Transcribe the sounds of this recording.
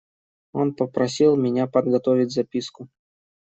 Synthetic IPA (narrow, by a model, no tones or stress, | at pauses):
o̞npəpɾɐsʲilˠmʲɪnʲapəd̪ɡɐt̪ovʲɪtʲzɐpʲiskʊ